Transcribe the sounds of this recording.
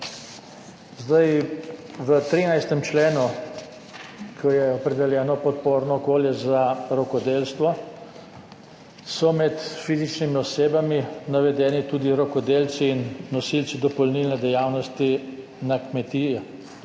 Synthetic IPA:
zd̪aj | ʋət̪ɾiːnajst̪ɛmt͡ʃleːnu | kʰɔjɛɔpɾɛd̪ɛljɛːnɔpɔt̪̚poːɾnɔkoːljɛzaɾɔkɔd̪elst̪ʋɔ | sɔmɛt̪fiːzit͡ʃnimiɔseːbaminaʋɛd̪ɛːnit̪uːd̪iɾɔkɔd̪eːlsiːnːɔsilt̪sid̪ɔpɔlnilnɛd̪ɛjaːwnɔst̪i | nakmɛt̪iːɛ

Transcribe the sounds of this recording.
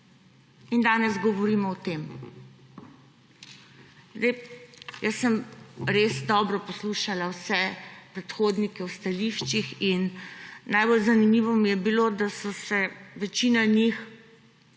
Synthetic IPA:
ind̪aːnɛzɡɔʋɔɾiːmɔɔt̪eːm | zd̪ejjəsːəmɾesd̪ɔbɾɔpɔsluːʃalawsɛpɾɛt̪xoːd̪nikɛwst̪aliʃt͡ʃixinː | ajbolzanimiːʋɔmijɛbilod̪asɔsɛʋɛt͡ʃiːnanix

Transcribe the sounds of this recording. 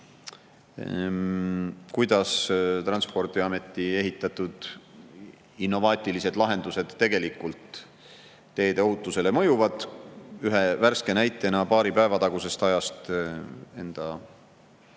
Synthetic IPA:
kujd̪ɑst̪rɑnspo̞rd̪̥iɑme̞t̪ːˑie̞ɦit̪ːˑɑt̪ːud̪̥ | inːo̞vɑːt̪ʲːˑilise̞d̪̥lɑɦe̞nd̪use̞d̪̥ːe̞ɡ̥e̞likːˑult̪ː | e̞ːd̪eohut̪ːˑuse̞lemɤjuvɑd̪̥yɦe̞værske̞næjt̪ːˑe̞nɑpɑːɾipæe̞vɑt̪ɑɡ̥use̞st̪ɑjɑst̪ | e̞nd̪̥ɑ

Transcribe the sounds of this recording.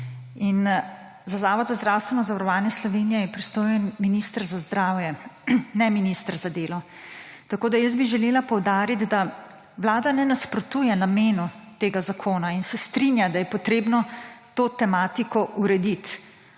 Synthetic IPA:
in | zazaːʋɔd̪zazd̪ɾaːwst̪ʋɛnɔzaʋɐɾɔʋaːnjɛslɔʋeːnijɛjɛpɾist̪oːjɛnminist̪əɾzazd̪ɾaːwjɛnɛminist̪əɾzad̪eːlɔ | t̪akoːd̪ajəs̬biʒɛleːlapɔwd̪aːɾit̪d̪a | ʋlaːd̪anɛnaspɾɔt̪uːjɛnameːnut̪eːɡazakʰoːnainsɛst̪ɾinjad̪ajɛpɔt̪ɾeːbnɔt̪oːt̪ɛmaːt̪ikɔʔuɾɛd̪it̪

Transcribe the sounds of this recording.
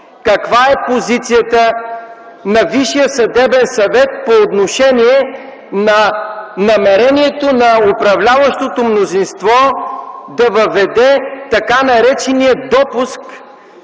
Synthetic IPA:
kɐkvaɛpozit̪sijət̪ə | nɐviʃijəsɐd̪ɛbɛnsɐvɛt̪̚poːt̪noʃɛniɛ | nɐnɐmɛɾɛniɛt̪onɐopɾɐvlʲavəʃt̪ot̪omnozinst̪vɔ | d̪ɐvɐvɛd̪ɛt̪ɐkanɐɾɛt͡ʃɛniəd̪ɔpusk

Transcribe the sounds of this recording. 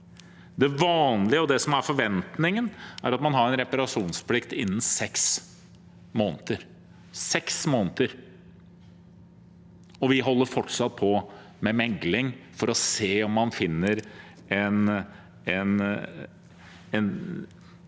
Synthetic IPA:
d̪ɛʋɑːnlɪəɔd̪ɛsɔmæɾfɔɾʋɛnt̪nɪŋənæɾɑt̪mɑnɦɑɾɛnɾɛpɑɾɑʂuːnspʰlɪkt̪ɪnːn̩sɛks | moːnət̪əɾ | sɛksmoːnət̪əɾ | ɔʋɪɦɔlːəɾfɔʈːsɑt̪̚ːpʰɔ | mɛmɛɡlɪŋfɔɾɔseːɔmːɑnfɪnːəɾ | ɛn | ɛn | ɛn

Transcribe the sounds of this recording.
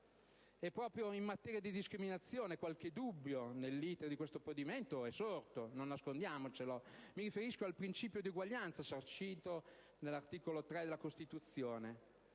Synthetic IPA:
ɛpːɾɔːpɾjoimmat̪ɛːɾjad̪id̪iskɾiminat̪sːjoːnekwalk̟ed̪ubːjonelːiːt̪eɾd̪ikwest̪oapod̪iment̪oɛsort̪ononːaskond̪jaːmot͡ʃelomiɾifeɾiskoalpɾint͡ʃiːpjod̪iuɡwaʎːant̪sasart͡ʃiːt̪o | nelːart̪iːkolot̪ɾɛd̪elːakost̪it̪ut̪sːjoːne

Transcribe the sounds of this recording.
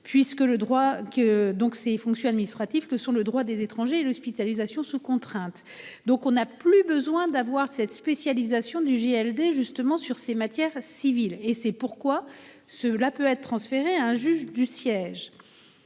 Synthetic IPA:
pɥiskələd̪ʁwakəd̪ɔ̃ksefɔ̃ksjɔ̃ad̪minist̪χat̪iv̥kəsɔ̃ləd̪ʁwad̪ezet̪χɑ̃ʒeːlɔspit̪alizasjɔ̃sukɔ̃t̪χɛ̃t̪ | d̪ɔ̃kɔ̃naplybəzwɛ̃d̪avwaʁsɛt̪spesjalizasjɔ̃d̪yʒeɛld̪eʒyst̪əmɑ̃syʁsemat̪jɛʁsivilesɛpuʁkwa | səlapøɛt̪t̪ʰːχɑ̃sfeʁeaɛ̃ʒyʒd̪ysjɛʒ

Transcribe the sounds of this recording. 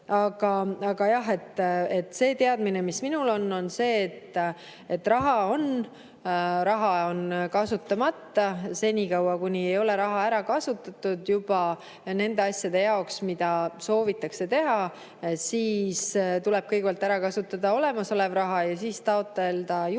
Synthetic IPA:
ɑɡ̥ɑɑɡ̥ɑjɑɦe̞t̪ˑːe̞t̪ːse̞ːt̪e̞ɑd̪mine̞misminulo̞nːo̞nse̞ːt̪ː | e̞t̪ːrɑɦɑo̞n | ɾɑɦɑo̞nkɑsut̪ːˑɑmɑt̪ːɑse̞nʲikɑwɑkunʲie̞jo̞le̞ɾɑɦɑæɾɑkɑsut̪ːˑɑt̪ːˑud̪̥jub̥ɑ | ne̞nd̪e̞ɑsʲjɑd̪̥e̞jɑoksmid̪̥ɑso̞ːvit̪ːˑɑkse̞t̪e̞ɦɑ | siːst̪ule̞b̥kɤjɡebɑlt̪æɾɑkɑsut̪ːˑɑd̪̥ɑo̞le̞mɑso̞le̞vrɑɦɑjɑsiːst̪ɑot̪ːˑe̞ld̪̥ɑj

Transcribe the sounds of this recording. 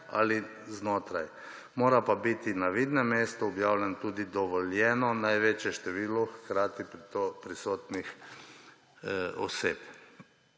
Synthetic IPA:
a̰li | znoːt̪ɾaj | moːɾapabit̪inaʋid̪nɛmeːst̪ɔɔbjaːwlʲjɛnt̪uːd̪id̪ɔʋɔljɛːnɔnajʋeːt͡ʃjɛʃt̪ɛʋiːlɔxkɾaːt̪ipɾit̪opɾisoːt̪nix | ɔ̰seːp

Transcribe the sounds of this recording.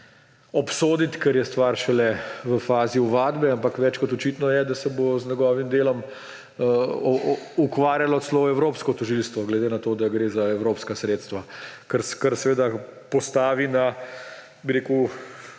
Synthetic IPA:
ɔpsoːd̪it̪kɛɾjɛst̪ʋaɾʃɛlɛʋəfaːziuʋaːd̪bɛampakʋɛːt͡ʃkɔt̪ɔt͡ʃiːt̪nɔjɛd̪asɛboznʲɛɡɔːʋimd̪eːlɔm | ukʋaːɾjalɔt̪sloɛwɾoːpskɔt̪ɔʒilst̪ʋɔɡlɛd̪enat̪oːd̪aɡɾeːzaɛwɾoːpskasɾeːt̪st̪ʋakəɾskəɾsɛʋeːd̪apɔst̪aːʋina | biɾeːku

